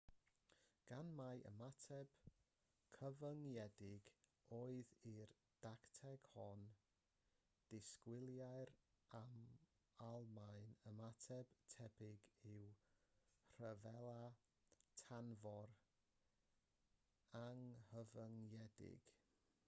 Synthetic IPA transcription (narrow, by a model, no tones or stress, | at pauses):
ɡ̥anmajə̰matʰɛb̥ | kʰəvəŋjɛdɪɡ̥oːɨðir | d̥aktʰɛɡ̥hɔn | d̥ɪskwɪlˠjaɨɾ | am | alˠmajnəmatʰɛb̥tʰɛbɪɡɪw | r̥əvɛlˠa | tʰanvɔr | aŋhəvəŋjɛdɪ̰ɡ̥